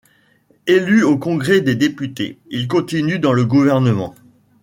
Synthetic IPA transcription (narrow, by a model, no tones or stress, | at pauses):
elyokɔ̃ɡʁɛd̪ed̪epyt̪ḛilkɔ̃t̪inyd̪ɑ̃ləɡuvɛʁnəmɑ̰̃